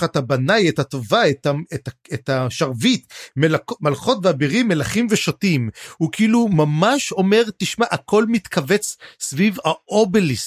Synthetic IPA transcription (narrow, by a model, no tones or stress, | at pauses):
χatabanajetatovaetaetaetaʃaʁvitmelakmalχo̞tveabiʁimːe̞laχimve̞ʃotimhukiilumamaʃo̞me̞ʁt̪iʃmaʔakʰo̞lmit̪kʰave̞t͡ssvivaʔobelis